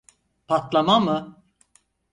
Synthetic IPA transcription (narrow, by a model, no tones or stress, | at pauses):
pʰat̪lˠamamɯ